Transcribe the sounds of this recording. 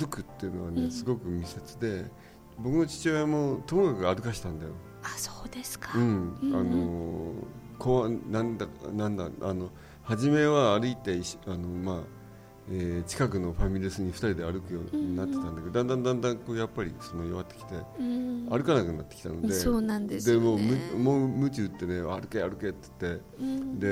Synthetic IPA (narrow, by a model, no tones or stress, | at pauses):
ɾɯkɯ̟t̪ːe̞jɯ̟no̞βane̞sɨɡo̞kɯ̟mʲise̞t͡sɨd̪e̞ | bo̞kɯ̟no̞t͡ɕi̥t͡ɕojamo̞t̪omokakɯ̟aɾɯ̟kaɕi̥t̪ãnd̪ajo̞̰ | asoːd̪eskḁɯ̟̃ɴa̰no̞ | koβanãnd̪anãnd̪a̰ʔano̞ | haʑime̞βaːɾɯ̟it̪e̞iɕano̞ma | eːt͡ɕi̥kak̬ɯ̟no̞ɸamʲiɾʲɯsɨɲ̟iɸɯ̟̥t̪aɾʲid̪e̞aɾɯkɯ̟joːɲ̟inat̪ːe̞t̪ãnaked̪ãnd̪ãnd̪ãnd̪ãŋko̞ːjapːaɾʲḭɕt͡sɨmõɲioβat̪ːekʲi̥t̪e̞aɾɯ̟kanakɯ̟nat̪ːekʲi̥t̪ano̞d̪e̞oːnãnd̪ed̪e̞mo̞ːmɯmoːmɯ̟t͡ɕiɯt̪ːe̞ne̞a̰aɾɯ̟keaɾɯ̟ket̪ːe̥t̪ːe̞ | d̪e̞